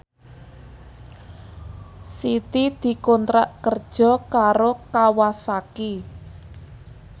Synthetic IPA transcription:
sit̪id̪̥i̤kɔnt̪ɾaʔkər̥ʒ̥ɔ̤kaɾokawasaki

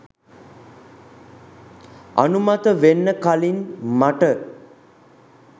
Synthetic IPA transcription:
a̰numat̪əʋenːəkalinmaʈə

